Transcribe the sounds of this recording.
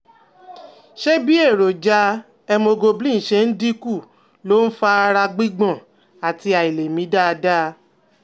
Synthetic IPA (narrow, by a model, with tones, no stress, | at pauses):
ʃe˦bi˦e˦˨ɾo˨d͡ʒa˧ | ɛ˧mo˧ɡo˧blĩ˦˨ʃe˧n̩˦di˦ku˦˨ | lo˦n̩˦fa˦a˧ɾa˧ɡ͡bi˦ɡ͡bɔ̃˦˨ | a˨ti˧a˨i˨le˨mĩ˨˦da˦˧da˦